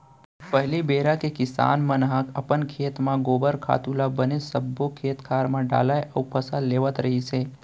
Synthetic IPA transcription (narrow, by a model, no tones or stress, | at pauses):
pəɦlibeɾakekɪsa̰nmənɦakʰəpənkʰeːt̪mãɡobəɾkʰa̰t̪ulabənesəbːokʰet̪kʰaɾmãɖa̰lajəupʰəsalːeʋət̪ɾəɦit͡ʃʰe